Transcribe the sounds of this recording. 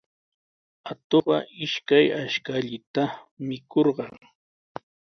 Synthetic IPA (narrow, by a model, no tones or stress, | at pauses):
at̪oɢɑʔɪʃkajaʃkaʎɪt̪amɪkoɾɢɑŋ